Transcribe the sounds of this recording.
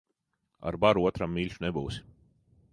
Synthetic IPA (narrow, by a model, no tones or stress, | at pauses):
a̰ɾbaɾuuɔt̪ɾamːilʲʃunɛbuwsi̥